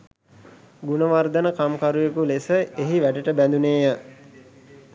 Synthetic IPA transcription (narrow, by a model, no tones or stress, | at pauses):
ɡunəʋard̪ənəkamkaɾujekulesəeɦiʋæʈəʈəbænd̪uneːjə